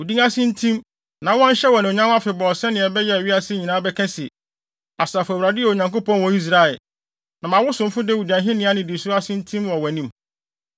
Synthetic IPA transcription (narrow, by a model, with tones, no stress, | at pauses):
u˨dĩ˦ŋa˦sɪ̃˦n̩˦tʰĩ˦m | nã˨wɔ̃˦n̩˦ɕɛ˦wɔ˨nɪ̃˨o˨ɲã˦a˦fɪ˨bɔ˨sɛ̃˦nɪ̃˨ɛ˨bɛ˦jɛ˦˨ɥi˦a˦sɪ˦ɲĩ˨nãː˦bɛ˦kʰɛ̃˦sɪ˨ | a˨saː˨fwa˨dɪ˦jɛ˦˨o˨ɲã˨ŋko˦pɔ̃˦nwɔ̃˨˦i˦s̬ɾa˦ɛ˨ | nã˨mã˨wʊ˦sʊ̃˨m̩˦fʊ˦dɛ˦˨u˨di˨ã˨ɦɪ̃˦nɪ̃˨˦a˦nɪ̃˨di˨sʊ˦ɾa˦sɪ̃˦n̩˦tʰĩ˦mwɔ̃˨wɛ˨nĩ˦˨m